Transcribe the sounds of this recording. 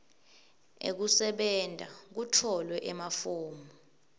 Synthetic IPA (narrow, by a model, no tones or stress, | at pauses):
ḛk̬usɛɓɛndʱak̬utʰɔlwɛʔɛmafoːmu